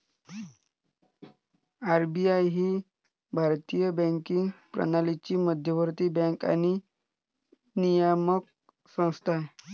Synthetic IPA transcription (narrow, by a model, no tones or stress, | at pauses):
aɾbiajɦiː | bʱaɾt̪ijəbɛ̃ŋkiŋɡpɾə̰nalit͡ɕiːməd̪ʱjəʋəɾt̪iːbɛ̃ŋka̰ñi | nijəmək̚ | sə̃w̃st̪ʰae